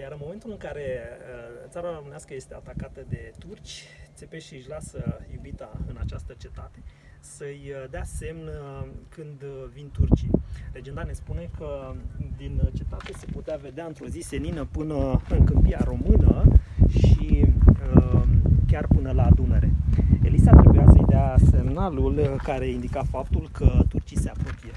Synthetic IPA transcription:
jaɾɨnmo̞me̞nt̪ulɨŋkaɾe̞ət̪saɾaromɨneaskəje̞st̪eat̪akat̪əd̪e̞t̪urt͡ʃʲt̪se̞peʃiɨʃlasəjubit̪aɨnat͡ʃast̪ət͡ʃe̞t̪at̪e̞ | səjd̪ease̞mnəkɨnd̪vint̪urt͡ʃiɾe̞d͡ʒend̪ane̞spune̞kəd̪int͡ʃe̞t̪at̪e̞seput̪eave̞d̪eaɨnt̪ɾo̞zise̞ninəpɨnəɨŋkɨmpijaɾo̞mɨnəʃiəkʲarpɨnəlaːd̪uneɾe̞̰ḛlisat̪ɾebujasə̰jd̪ease̞mnalulkaɾe̞ind̪ikafap̚t̪ulkʰət̪urt͡ʃise̞apɾopie

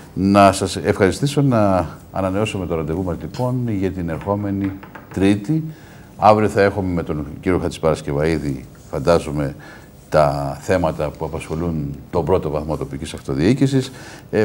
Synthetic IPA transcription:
nɐsɐsefxɐɾist̪iso̞nɐ̰ːnɐne̞o̞sume̞t̪oɾɐnd̪eɣumɐzlipo̞nʝɐt̪ine̞ɾxo̞me̞nit̪ɾit̪i | ɐvɾioθɐe̞xume̞me̞t̪o̞nciɾio̞xɐt̪i̥pɐɾɐsce̞vɐiðḭ | fɐnd̪ɐzome̞ | t̪ɐθe̞mɐt̪ɐpuɐpɐsxo̞lunt̪o̞bɾo̞t̪o̞vɐθmot̪o̞picisɐxt̪o̞ðiicisis

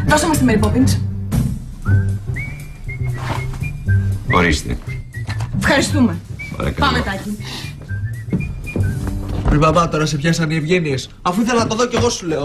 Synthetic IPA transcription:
ðosomɐst̪imeɾipopins | xoɾist̪ḛ | fxɐɾist̪umepɐ̰ɾɐ̰kɐpɐmet̪ɐçi | pɾivɐvɐt̪o̞ɾɐsepçɐsɐnievʝe̞nies | ɐfuiθelɐnɐt̪ɐðoce̞ɣo̞sule̞o

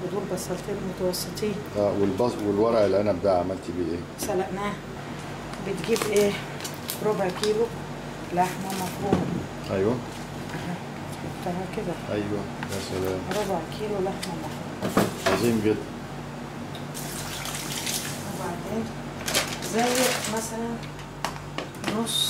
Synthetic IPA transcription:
bod̪uːlbɑsˤːɑlt̪iːlmot̪æwɑsˤːet̪ˤiːnʔæːwelbɑswelwɑɾˤɑʕelːiʔænæbed̪aːʕamælt̪ibiːʔeː | sælæʔnæː | bet̪ɡiːbʔeː | ɾobʕkiːlo | laħmæmɑfɾuːmɑ | ʔæjwæ | ʔæɦæ | ħɑbt̪ːɑɾˤhɑked̪æʔæjwæ | bæsælæːmɾˤobʕkʰiːlolaħmæmɑfɾuːmʕɑziːmɡed̪ːæn | webaʕd̪eːn | zæjːmæsælæn | nosˤ

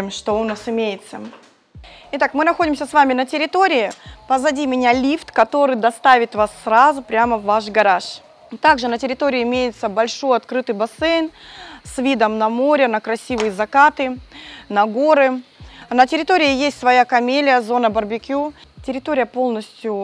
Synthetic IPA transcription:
ɪmʂt̪oʊnasɪmʲejɪt̪sə | ɪt̪akmɨnɐxo̞dʲɪmsʲəsvamʲɪnətʲɪɾʲɪt̪o̞ɾʲɪɪpəzɐdʲimʲɪnʲalʲift̪kɐt̪o̞ɾɨjd̪ɐst̪avʲɪt̪vasːɾazʊpɾʲaməvːaʂɡɐɾaʂ | t̪aɡʐɨnətʲɪɾʲɪt̪oɾʲɪɪɪmʲejɪt̪səbɐlʲʂo̞jɐt̪kɾɨt̪ɨjbɐsɛjnsvʲid̪əmnɐmo̞ɾʲɪnəkɾɐsʲivɨjəzɐkat̪ɨnɐɡo̞ɾɨnətʲɪɾʲɪt̪oɾʲɪɪjesʲtʲsvɐjakɐmʲelʲɪjəzo̞nəbərbʲɪkʲutʲɪɾʲɪt̪oɾʲɪjəpo̞lˠnəsʲtʲjʊ

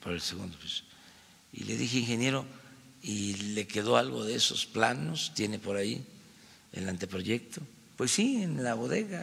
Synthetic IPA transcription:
poɾelseɣund̪opiso̥ | ḭle̞̰ðixeiŋxe̞nje̞ɾo̞ | ile̞ke̞ðo̞alɣo̞ðeeso̞̰splano̞st̪je̞ne̞po̞ɾaḭ | ḛlant̪e̞pɾo̞ʝe̞k̚t̪o̞ | pwe̞sːienlaβo̞ðe̞ɣa

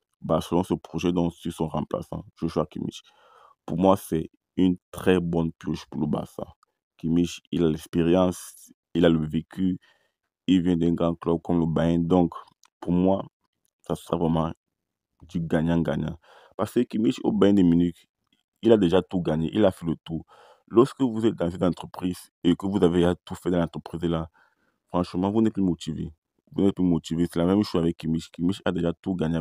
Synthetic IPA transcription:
basəlɔ̃səpχoʒɛd̪ɔ̃sysɔ̃ʁɑ̃pla̰sɑ̰̃ʒ̥oʃwakḭmḭt͡ʃ | puʁmwasɛ | ynt̪χɛbɔnpjuʃpuləba̰sɛ̰̃ | kimiʃilalɛkspeʁjɑ̃s | ilaləvekʰy | ilvjɛ̃d̪ɛ̃ɡʁɑ̃klɔb̚kɔmləbaɛ̃d̪ɔ̃k | puʁmwa | sasəʁavʁɛmɑ̃ | d̪yɡaɲãɡa̰ɲã̰ | paʁskəkimiʃo̰bajɛ̃d̪ɛminyt̪ | ilad̪eʒat̪uɡaɲeʔilafɛlət̪u | lɔʁskəvuzɛt̪̚d̪ãzynɑ̃t̪χəpχiz | ekəvuzaveʒat̪ufɛd̪ãlãt̪χəpχizela | fχɑ̃ʃmɑ̃vunɛt̪̚plymot̪ive | vunɛt̪̚plymot̪ivesɛlamɛmʃoavɛkkːimiʃkimiʃad̪eʒat̪uɡaɲe

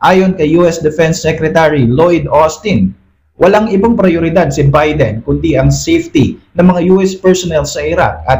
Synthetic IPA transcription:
ʔaːjo̞nkɐjːuɛsd̪ɛfɛnsːɛkɾɛt̪aɹilojd̪ost̪ɪn | wʔɐlaŋɪbaŋpɾɐjoɾɪd̪ad̪̚sɪbajd̪ɛnkʊnd̪iʔɐŋsejft̪inɐŋmɐŋajuʔɛspɛɹsonɛlsɐʔɪɾa̰k̚ʔɐt̪

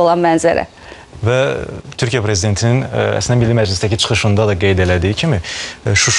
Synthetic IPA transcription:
olˠɑnmænzæɾæ̰ | væt̪ʰyɾcʰijæpʰɾe̞zid̪e̞nt̪ʰininæ̰slind̪æmilːimæd͡ʒlist̪æcʰit͡ʃʰɯ̥χɯʃɯnd̪ɑd̪ɑɡe̞jd̪elæd̪iicʰimiʃuʃ

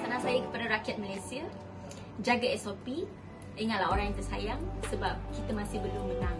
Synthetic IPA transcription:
t̪anasajakə̥padaɾakiat̪̚malajsiə | d͡ʒaɡaɛsopi | iŋat̪̚laɦoɾaŋjaŋt̪ərsajaŋsəbap̚kit̪əmãsɪhbəlʊmənaŋ

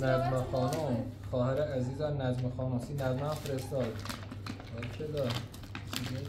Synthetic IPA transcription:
næzmexɒːnomxɒːheɾeæziːzæmnæzmexɒːnomsiːnæzmæmfeɾest̪ɒːd̪ | ɒːɾʃʰed̪ɒː | sie

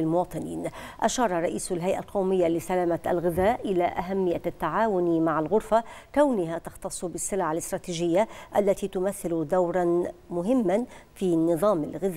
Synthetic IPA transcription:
ɪlmʊwɑːt̪ˤɨnḭːnʔaʃɑːɾˤɑɾˤɑʔiːsalɦajʔalqowmɪjːalɪsalaːmaa̰lɣɪðaːʔʔɪlaʔaɦamːɪjːat̪ːaʕaːwʊnmaʕalɣʊɾfakawnʊɦat̪ɑxt̪ɑsˤːbɪsːɪlʕalɪst̪ɾˤɑːt̪iːd͡ʒɪjːaʔalːat̪iːt̪ʊmaθːɪlʊd̪awɾˤɑnmʊɦɪmːanfiːnɨðˤɑːma̰lɣɪð

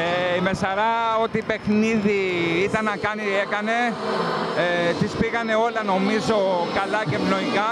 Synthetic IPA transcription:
eimesɐɾɐo̞t̪ipe̞xniðiit̪ɐnːɐkɐnie̞kɐne̞ | t̪ispiɣɐne̞o̞lɐno̞mizo̞kɐlɐcepno̞iɣɐ

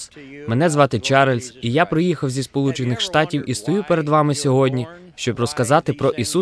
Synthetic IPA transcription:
menɛzʋɑt̪ɪt͡ʃɛɾɐlʲsʲijapɾɪjixɐwzʲispɔlˠut͡ʃɪnɪxʃt̪ɑtʲiwʔist̪ɔjupeɾed̪ʋɑmɪsʲɔɦɔdʲnʲi | ʃt͡ʃɔbrɔskɐzɑt̪ɪpɾɔʔisu

